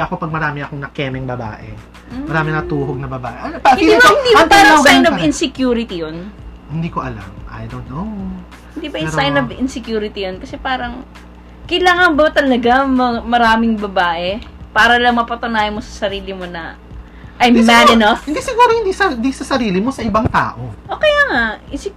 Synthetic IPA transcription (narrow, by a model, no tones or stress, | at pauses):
ʔɐko̞pɐɡ̚mɐɾaːmɪɐkoŋnɐkɛːmɛŋbɐba̰ːʔɛ̰ | m̩mɐɾaːmɪnɐt̪uːɦoɡ̚nɐbɐbaːʔɛʔɐnɐhɪnid̪imɐhɪ̃nd̪iɐt̪asajnovɪnsɛkjuːɾɪt̪ijon | hɪnd̪iːkoʔɐla̰mʔa̰jd̪ono | hɪnd̪iːbɐjʊsajnobɪ̰nsɛkjuːɾɪt̪ijonkɐsɛpaːɾɐŋ | kɐjlaːŋɐnbɐt̪ɐlɐɡamɐmɐɾaːmɪŋbɐbaːʔɛpaːɾɐlɐŋmɐpɐt̪ʊnaːjɐmo̞sɐ̥sɐɾiːlɪmo̞nɐ | ʔɐjmːad̪ɐnofɪnd̪isɪɡuːɾohɪnd̪isɐnd̪isɐsɐɾiːlɪmo̞sɐʔɪbɐŋt̪a̰ːʔoʔoːkɐjaŋaʔɪns